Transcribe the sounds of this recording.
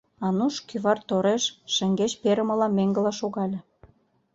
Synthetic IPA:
ɑnuʃkyβɑrt̪oɾeʃːə̆ŋɡet͡ɕpeɾə̆mə̆lɑmeŋɡə̆lɑʃoɣɑlʲĕ

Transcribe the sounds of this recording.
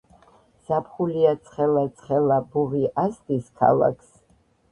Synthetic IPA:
sapʰχuliat̪sʰʼχɛlat̪sʰʼχɛlˠabuʁiʔast̪ʼiskʰa̰lˠa̰kʰs

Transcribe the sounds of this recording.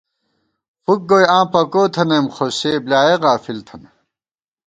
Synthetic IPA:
fuk̚ɡojãːpɐkoːt̪ʰɐnemχoseːblʲaːeɣaːfilt̪ʰɐn

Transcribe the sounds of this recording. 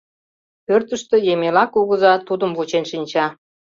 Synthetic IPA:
pørt̪əʃt̪əjemelɑkuɣə̆zɑt̪ud̪əmvut͡ɕenʃinʲt͡ɕɑ

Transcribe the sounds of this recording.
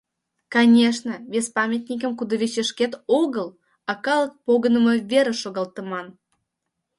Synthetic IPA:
kɑnʲeʃnəvʲesʲpɑmʲet̪ʲnʲik̬əmkud̪əβʲet͡ɕeʃket̪oɣəl | ɑkɑlək̚poɣənəmə̆vʲeɾə̆ʃoɣɑlt̪əmɑn

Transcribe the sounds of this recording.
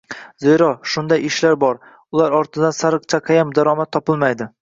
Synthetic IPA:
zejɾɒʃʊnd̪ajɪʃlaɾbɒɾ | ʊlˠaɾɒɾt̪ʰɪd̪ansaɾɨq̚t͡ʃʰaqʰɑjamd̪aɾɒmat̪ʰːɒpɪlˠmajd̪ɪ

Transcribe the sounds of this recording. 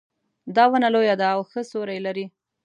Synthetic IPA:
d̪ɑwənalojad̪aːwxəsoɾajelaɾi

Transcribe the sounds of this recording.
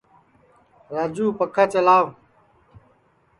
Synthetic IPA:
ɾaːd͡ʒuːpəkʰat͡ʃəlaːw

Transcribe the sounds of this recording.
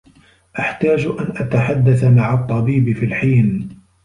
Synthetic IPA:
ʔaħt̪aːd͡ʒʔanʔat̪aħad̪ːaθamaʕat̪ˤːɑbiːbɪfilħiːn

